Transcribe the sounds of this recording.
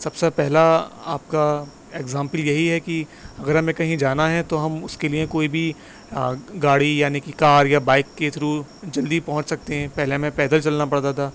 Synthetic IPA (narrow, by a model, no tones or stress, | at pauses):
sɐbsepɛɦlaa̰ːp̚ka | eːɡzãːmpəljɐɦiɦɛkiɐɡəɾɦɐmẽkɐɦĩd͡ʒaːnaɦɛt̪oɦɐmʊskeliẽkoːibʱi | ɡaːɽijaːnikikaːɾjabaːɪkːet̪ʰɾud͡ʒɐld̪ipɐɦʊ̃t͡ʃsɐk̚t̪eɦɛ̃ːpɛɦlemẽpɛːd̪əɾt͡ʃɐlnapɐɽt̪at̪ʰaː